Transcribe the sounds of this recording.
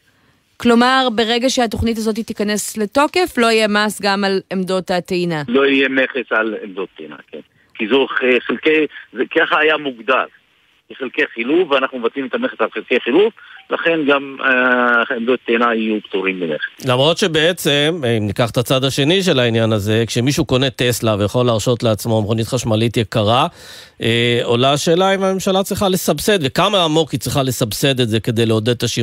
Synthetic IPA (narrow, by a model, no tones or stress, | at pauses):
klo̞maʁbe̞ʁeɡaʃeat̪o̞χnit̬azo̞t̬itikane̞sle̞to̞ke̞flo̞ijemasɡamalemd̪o̞t̪at̪einalo̞ijeme̞χesalḛmd̪ott̪ːeina̰kḛn | kizoχχelkejzekaχaajamuɡd̪al | keχelkejχilufveanaχnumevat̪imet̪ameχesalχelkejχiluflaχe̞nɡam | emduett̪ːeːnaijupt̪uʁimbeneχelamʁo̞t̪ʃe̞be̞et͡semimnikaχt̪at͡sad̪aʃe̞niʃ̬e̞lainjanaze̞kʃe̞miʃuko̞ne̞t̪e̞slavejaχo̞lːaːʁʃo̞t̪le̞at͡smo̞mχonit̪χaʃmalit̪jekaʁa | eo̞laʃeːlaimame̞mʃalat͡sʁiχalesabse̞d̪vekamaːmo̞kit͡sʁiχale̞sabse̞d̪etze̞ke̞d̪e̞jleo̞d̪ed̪̚t̪aʃi